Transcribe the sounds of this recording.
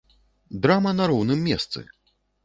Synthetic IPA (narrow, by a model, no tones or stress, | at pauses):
d̪ɾamɐnaɾɔwnɨmʲːɛst̪sɨ̰